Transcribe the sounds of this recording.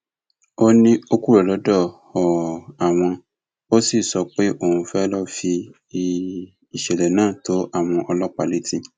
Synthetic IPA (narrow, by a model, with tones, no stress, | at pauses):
o˦nĩ˦o˧ku˦ɾɛ˨lɔ˨˦dɔ˦˨hɔ˨a˨w̃ɔ̃˧ | o˦si˦˨sɔ˧˦k͡pe˦ʔo˦˨ũ˧fɛ˦lɔ˦fi˧˦ | i˨ʃɛ˨lɛ˨nãː˦˨to˨˦ʔa˦˨w̃ɔ̃˧ʔɔ˧lɔ˦k͡pa˨le˨˦tĩ˦